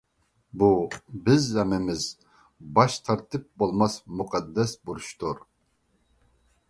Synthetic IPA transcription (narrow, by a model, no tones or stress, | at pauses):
bubɪzːɛmɪmɪz | bɑʃt̪ʰɑɾt̪ʰɨp̚bolˠmɑsmuqʰɑd̪ːɛsbuɾuʃt̪uɾ